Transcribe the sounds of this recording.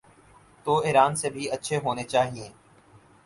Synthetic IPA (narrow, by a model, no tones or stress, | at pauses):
t̪oːɪːɾaːnsebʱiətːʃʰeɦoːnet͡ʃaːɦiẽː